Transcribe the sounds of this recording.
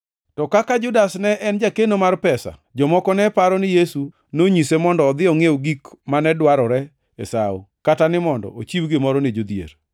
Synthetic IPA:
tɔkakad͡ʒʊdasnɛʔɛnd͡ʒakenomarpɛsa̰d͡ʒɔmɔkɔnɛpaɾɔnɪjesu | noɲisemɔndɔːd̪ɪɔŋewɡikmanɛdwaɾɔɾɛ | ḛsaṵkatanɪmɔndɔ̰ot͡ʃiwɡɪmɔɾɔned͡ʒod̪jḛɾ

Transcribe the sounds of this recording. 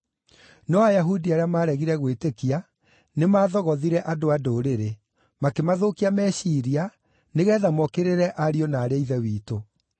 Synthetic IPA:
nɔajaɦudiaɾeamaːɾɛɣiɾɛɣwetekia | nemaːðɔɣɔðiɾɛʔadoadoɾeɾe | makemaðoːkiamɛɕiɾia | neɣɛːðamɔkeɾeɾɛʔaɾiɔnaːɾeiðɛwiːto

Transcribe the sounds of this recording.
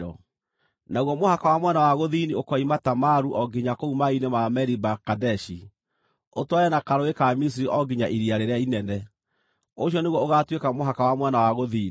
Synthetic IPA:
ɔ̰ | naɣwɔmohakawamwɛnawaɣoðiniokɔimatamaɾuʔɔɡiɲakoumainemamɛɾibakadɛʃi | otwajɛnakaɾoekamis̬iɾiʔɔɡiɲaʔiɾiaɾeɾeainɛnɛ | oʃjɔneɣwɔoɣatwekamoɦakawamwɛnawaɣoðiːn

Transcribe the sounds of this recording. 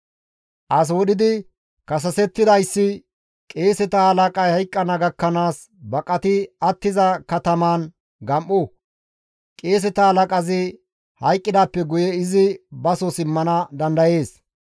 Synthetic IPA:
ʔɐs̬wɔɗɪd̪ɪ | kɐs̬ɐsɛt̪ːɪd̪ɐjsːɪ | kʼeːsɛt̪ɐhɐlɐkʼɐjhɐjkʼːɐnɐɡɐkːɐnaːs | bɐkʼɐt̪ɪɐt̪ːɪzɐkɐt̪ɐmaːn | ɡɐmʔʊ | kʼe̞ːs̬ɛt̪ɐhɐlɐkʼɐzɪ | hɐjkʼːɪd̪aːpːɛɡʊjɛɪzɪbɐsɔsɪmːɐnɐd̪ɐnd̪ɐje̞ːs

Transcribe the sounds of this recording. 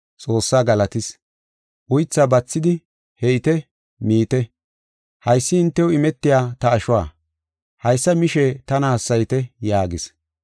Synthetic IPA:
t͡sʼo̞ːsːaːɡɐlɐt̪ɪs | ʔʊjt͡sːaːbɐt͡sːɪd̪ɪ | hɛɪt̪ɛ | miːt̪ɛ | hɐjsːɪɪnt̪ːɛwɪmɛt̪ːɪjaːt̪ɐːʃʊwa̰ː | hɐjsːɐmɪʃɛt̪ɐnaɐsːɐjt̪ɛjaːɡɪs

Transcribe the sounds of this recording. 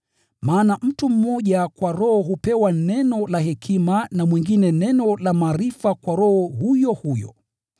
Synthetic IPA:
maːnam̩tum̩mɔʄakwaɾɔhɔɦupɛwanɛnɔlahɛkʰimanamwiŋɡinɛnɛnɔlamaːɾifakwaɾɔhɔhujɔhujɔ̰

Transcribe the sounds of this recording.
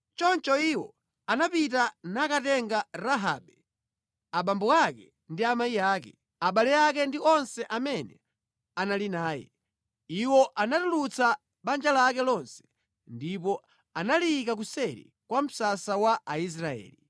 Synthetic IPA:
t͡ʃɔnt͡ʃɔiwɔ | anapitanakatɛŋɡaɾaɦa̰ɓɛ | aɓambɔakɛ | ndiamaiaːkɛ | aɓalɛakɛndiɔnsɛʔamɛnɛ | analinaːjɛ̰ | iwɔʔanatulut͡sa | ɓand͡ʒalakɛlɔnsɛ̥ | ndipɔ | analikak̬usɛɾḭ | kwam̩sasawaʔais̬ɾaɛ̰ːli

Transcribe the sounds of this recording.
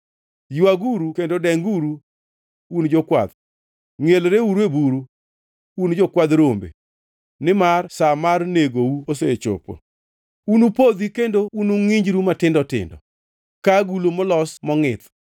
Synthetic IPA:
jaɡuɾukendodɛŋɡuɾu | und͡ʒɔkwa̰d̪ | ŋelɾeuɾuebuɾu | und͡ʒɔkwad̪ɾombḛ | nɪmarsamarneɡouoset͡ʃo̰po̰ | unupod̪ikendounuŋiɲd͡ʒɾumatɪndɔtɪ̰ndɔ̰ | kaɡulomɔlɔsmɔŋɪt̪

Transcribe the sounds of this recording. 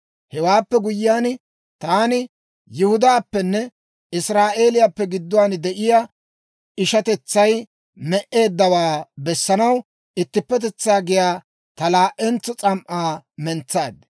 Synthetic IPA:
hɛwaːpːɛɡʊjɪjaːn | t̪aːnɪ | jʊhʊd̪aːpːɛnːɛ | ɪsɾaːʔe̞ːlɪjapːɛɡɪd̪ːʊwaːnd̪ɛʔɪja | ɪʃɐt̪ɛt͡sːɐj | mɛʔe̞ːd̪ːɐwaːbɛsːɐnɐw | ɪt̪ːɪpːɛt̪̬ɛt͡sːaːɡɪjaː | t̪ɐlaːʔɛnt͡sːɔt͡sʼɐmʔaːmɛnt͡saːd̪

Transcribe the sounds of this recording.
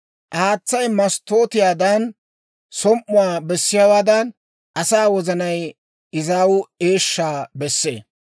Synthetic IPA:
ʔaːt͡sːɐjmɐst̪o̞ːt̪ɪjaːd̪ɐn | sɔmʔːʊwaːbɛsːɪjaːwaːd̪ɐn | ʔɐsaːwɔzɐnɐj | ɪzaːwʊeːʃːaːbɛsːḛː

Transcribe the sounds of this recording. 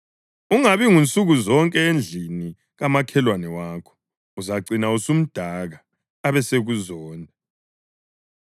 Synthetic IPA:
uŋaβiŋunt͡sʼuɣuzɔŋkʼɛend͡ɮʱini | ɣamakʰɛlwanɛwaːkʰɔ̥ | uzaǀinausum̩d̥ʱaɣaː | βɛseɣuzɔːndʱa

